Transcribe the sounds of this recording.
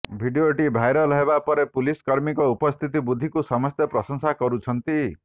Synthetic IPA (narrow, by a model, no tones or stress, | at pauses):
bʱiɖioʈibʱajɾɔlɔɦebapɔɾepuliskɔɾmikɔupɔst̪ʰit̪ibud̪ʱːikusɔmɔst̪jepɾɔsɔŋsakɔɾut͡ʃʰɔnt̪i